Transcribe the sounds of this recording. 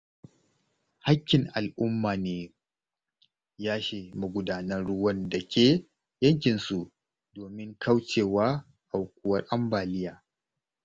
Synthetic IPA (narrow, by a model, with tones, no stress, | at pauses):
ha˦kʲːɪ˨ŋʔa˨lʔʊ˦mːaː˨neː˨ | jaː˦ʃeː˨mu˨ɡʷʊ˦daː˨nɐ˦nɽʊ˦wɐ˦ndɐ˨kʲeː˦˨ | jɐ˦ŋk̬ʲɪ˨nsu˨ | doː˨mɪ˦ŋka˦wt͡ʃeː˨waː˦ | ʔa˨wkʷʊ˦wɐ˦rʔa˦mbaː˨lɪ˦jaː˨